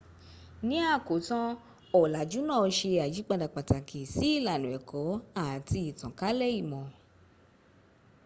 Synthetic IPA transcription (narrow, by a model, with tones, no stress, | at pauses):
nĩ˦a˦˨ko˨˦tã˦ | ɔ˨la˨d͡ʒu˨˦nãː˦˨˧ʃe˧a˨d͡ʒi˨˦k͡pa˧da˨k͡pa˨ta˨kʰi˨si˨˦i˦˨la˨nũ˨ɛ˨kɔ˨˦a˦˨tʰi˧i˨tã˨ka˨˦lɛ˦˨i˦˨mɔ̃˨